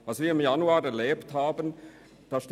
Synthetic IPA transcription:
vasviːɐɪmjanuaːʁɛɐleːpthaːbən | d̥aːʃt

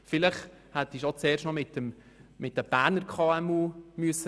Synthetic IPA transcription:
fɪləχ | hɛtɪʃot͡sɛːrʃtnɔmɪtəm | mɪt̚d̥ɛb̥æːɾnəɾkʰɑːɛmuːmyəsə

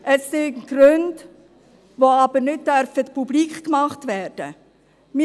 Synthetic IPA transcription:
ʔəssɪnɡɾɵnd | ʋoɑb̥əɾnɪt̚d̥œɾfətpubliːkχkmɑχtvæːɾd̥ə | mɪ

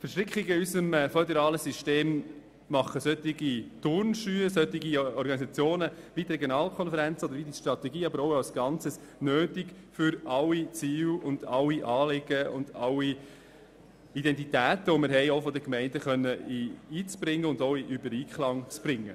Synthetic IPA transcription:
fəɾʃtɾɪkχɪɡəiysəmfœdɛɾɑːləsyʃteːmː | ɑχəsœt̪iɡit̪ʊɾnʃyːəsœtːiɡiɔɾɡɑnisɑt͡sjoːnəʋit̪rɛɡjonɑːlkʰɔnfəɾɛnt͡sɔd̪əɾʋid̪iʃtrɑt̪ɛɡiːɑbəɾoʊɑlsɡ̥ɑnt͡səs | nøːtɪk | fʏɾɑwit͡siːwʊnd̥ɑwiʔɑːlɪɡəʊ̰ndɑwi | idɛnt̬itæːt̪əomɪɾɦɛɪofɔd̪əkmɛɪndəχœnːəiiːt͡sb̥ɾɪŋːəʊndoʊiʔybəɾiːkχlɑŋt͡sb̥ɾɪŋːə

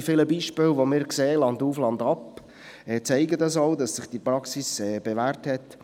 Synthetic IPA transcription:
fɪləbiːʃpɪlʋomɪːɾkseːlɑnduːflɑndɑp | ɛt͡sɛɪɡədɑsoʊdɑsːɪχd̥ipɾɑksisɛːb̥eʋæːɾthɛt

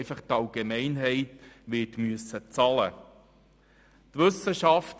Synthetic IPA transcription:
ɪfɑχt̪ɑlɡemɛɪnɦɛɪtʋɪːtmyəsət͡sɑlə | tʋʏsəʃɑft

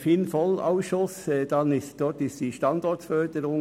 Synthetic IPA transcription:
fɪnfɔla̰ʊsʃʊsd̥ɑnɪstd̥ɔɾtɪstd̥iːʃtɑndɔɹtfœɾd̥əɾʊŋ

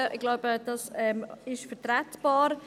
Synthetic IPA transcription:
ʔɪɡlaʊbəd̥ɑsɛmɪʃfɛtɾɛtb̥ɑːɾ

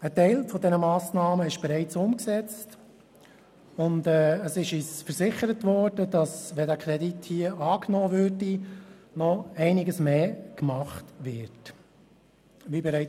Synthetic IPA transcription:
ətɛɪlfɔdɛnəmɑːsnɑːməɪʃb̥ɛɾɛɪt͡sʊmksɛt͡st | ʊndɛːəsɪʃisfəɾsɪχəɾətʋɔɾd̥əd̥ɑsʋɛdæːkʰɾɛdithiːəʔɑːknɔːʋøɾdinɔɛɪnɪɡəsmeːkmɑχtʋɪɾt | ʋiːbɛɾɛɪ

